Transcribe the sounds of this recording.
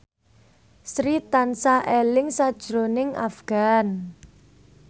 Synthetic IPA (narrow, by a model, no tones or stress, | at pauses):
sɾit̪ansaʔelɪŋsad̥ʒ̥ɾonɪŋa̰fɡ̥a̤n